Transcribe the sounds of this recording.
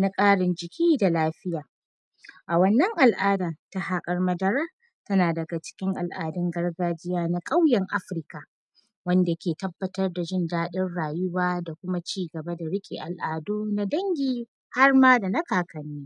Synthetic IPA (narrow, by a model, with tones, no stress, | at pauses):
na˦kʼaː˦ɽɪ˨nd͡ʒɪ˨kʲiː˦da˨laː˦ɸɪ˦jaː˨ | ʔa˨wɐ˨nːɐ˦ŋʔa˨lʔaː˦daː˨ta˦ɦaː˦kʼɐ˦rmɐ˦dɐ˦ɾaː˦ | tɐ˦naː˨dɐ˨ɡa˨t͡ʃɪ̥˦kʲɪ˦ŋʔa˨lʔaː˨dɪ˦ŋɡɐ˦rɡaː˦d͡ʒɪ˦jaː˦na˦kʼa˦wjɐ˨ŋʔa˦ɸɪ˨ɾka˨ | wɐ˦nda˨kʲeː˨tɐ˦bːɐ˨tɐ˦rda˨ʒɪ˦ndaː˦ɗɪ˦rɽaː˨jʊ˦waː˦da˨kʷʊ˦ma˦t͡ʃiː˦ɡɐ˨ba˦da˨ɽɪ˦kʲʼḭ˨ʔa˨lʔaː˨doː˦na˦dɐ˦ŋɡʲiː˦ | ha˦rmaː˦da˨nɐ˦kaː˨kɐ˨nːiː˦